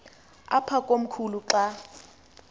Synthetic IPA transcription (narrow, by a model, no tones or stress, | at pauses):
apʰakʼom̩kʰuluǃa